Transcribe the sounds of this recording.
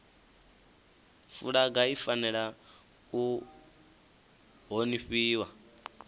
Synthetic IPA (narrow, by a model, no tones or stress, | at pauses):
fṵɺaɡaifanɛɺa | u | ɦoniɸiːwa